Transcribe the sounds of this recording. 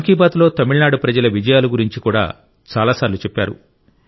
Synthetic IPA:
ɐŋkiːbaːt̪lo̞ːt̪ɐmiɭnaːɽupɾɐd͡ʒɐlɐʋid͡ʒɐjaːluɡuɾiɲt͡ʃikuːɽa̰ː | t͡ʃaːlaːsaːɾlut͡ʃɛpːaːɾṵ

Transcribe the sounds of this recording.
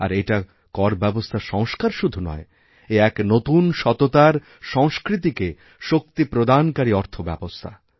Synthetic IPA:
a̰ɾeʈa | kɔɾbɛbost̪ʰaʃɔŋʃkaɾʃud̪ʱunɔ̰e | eɛknot̪unʃɔt̪ot̪aɾ | ʃɔŋskɾit̪̬ike | ʃok̚t̪ipɾod̪ankaɾiɔɾt̪ʰobɛbost̪ʰa

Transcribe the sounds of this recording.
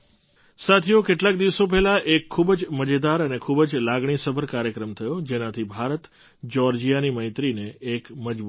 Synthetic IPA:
sat̪ʰijokeʈlakd̪iʋsop̬ɛɦlaʔekʰːubd͡ʒməd͡ʒed̪aɾənekʰubd͡ʒlaɡɳ̃isəbʱəɾkaɾjəkɾəmt̪ʰəjod͡ʒenãt̪ʰibʱaɾət̪ | d͡ʒɔɾd͡ʒijaniməɪ̃t̪ɾineːkməd͡ʒbu

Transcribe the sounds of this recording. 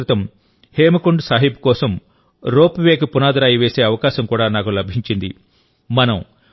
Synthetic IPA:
it̪ɐm | heːmɐkuɳɖsaːɦip̚kɔːsɐm | ɾoːpʋeːkupunaːd̪ɾaːjiʋeːse̞ːɐʋɐkaːʃɐmkuːɽaːnaːkulɐbʱiɲt͡ʃind̪i | mɐnɐm

